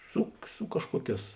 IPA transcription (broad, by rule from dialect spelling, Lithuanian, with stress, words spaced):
ˈsʊ ˈsʊ kɐʃkuɔˌkʲɛːs